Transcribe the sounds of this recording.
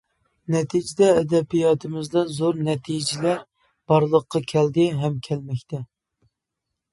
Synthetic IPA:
nɛt̪ʰid͡ʒɪd̪ɛːd̪ɛbijɑːt̪ʰɨmɪzd̪ɑzoɾnɛt̪ʰid͡ʒɪlæɾ | b̥ɑɾlˠəqʰːɑkʲʰɛld̪ɪɦɛmkʲʰɛlmɛkʲt̪ʰɛ

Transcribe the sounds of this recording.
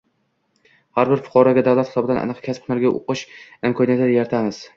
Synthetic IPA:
haɾbɪɾfʊ̥qʰɒɾɒɡʲad̪awlat̪χɪ̥ɒbɪd̪anʔa̰nɨqkʲʰasp̚ʰʊnaɾɡʲaʔo̰qɨʃɪmkʰɒnijat̪ɪd̪ajaɾt̪ʰamɪz̥

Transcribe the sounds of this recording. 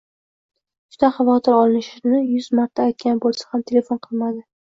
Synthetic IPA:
d͡ʒʊd̪aχavɒt̪ʰɪɾɒlˠɪnɪʃɪnɪjʊzmaɾt̪ʰaːjt̪̚kʲanbolˠsḁhamt̪ʰe̞le̞fonqʰɨlˠmad̪ɪ

